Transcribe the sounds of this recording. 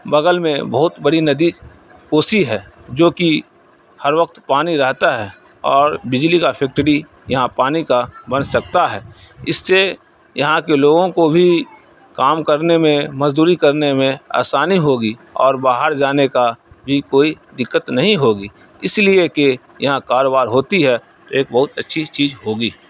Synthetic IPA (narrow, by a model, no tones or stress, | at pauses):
bɐɡəlmẽbəɦʊt̪bəɽinəd̪i | koːsiɦɛːd͡ʒoːki | həɾʋək̚t̪paːniɾɛɦt̪aɦɛː | ɔːɾbɪd͡ʒlikapʰɛk̚ʈəɽi | jɐɦãpaːnikabɐnsɐk̚t̪aɦɛːɪsːe | jɐɦãkeloːɡõkobʱi | kaːmkəɾnemẽmɐzd̪uːɾikəɾnemẽa̰ːsaːniɦoːɡiɔːɾbaːɦəɾd͡ʒaːneka | bʱikoːi | d̪ɪkːət̪nɐɦĩɦoːɡiː | ɪslieke | jɐɦãkaːɾoːbaːɾɦoːt̪iɦɛ | t̪oeːk̚bɐɦʊt̪ətːʃʰit͡ʃiːd͡ʒɦoːɡiː